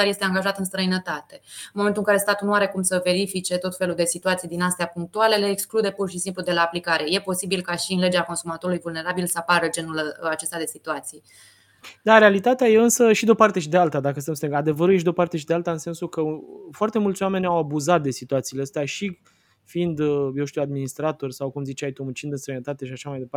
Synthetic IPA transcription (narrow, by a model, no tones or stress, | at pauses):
aɾje̞st̪e̞aŋɡaʒat̪ɨnst̪ɾəinət̪at̪e̞nmoment̪uɨŋkaɾe̞st̪at̪ulnuaɾe̞kumsəveɾifit͡ʃe̞t̪o̞t̪fe̞luld̪e̞sit̪uat̪sijd̪inast̪eapuŋk̚t̪uale̞le̞ːksklud̪e̞purʃisimplud̪e̞laːplikaɾe̞je̞po̞sibilkaʃiɨnle̞d͡ʒeako̞nsumat̪o̞ɾulujvulne̞ɾabilsəapaɾəd͡ʒe̞nulat͡ʃe̞st̪ad̪esit̪uat̪sij | d̪aɾealit̪at̪eaje̞ɨnsəʃid̪eopart̪e̞ʃid̪ealt̪ad̪akəst̪emst̪eŋad̪e̞vəɾujeʃid̪eo̞part̪e̞ʃid̪ealt̪aɨnse̞nsukəfoart̪e̞mult̪sʲwame̞nʲawabuzat̪̚d̪e̞sit̪uat̪siːleəst̪eaʃi | fiind̪je̞wʃt̪iwad̪minist̪ɾat̪o̞rʲsawkumzit͡ʃajt̪omut͡ʃind̪ɨnst̪ɾəjnət̪at̪e̞ʃiaʃamajd̪epa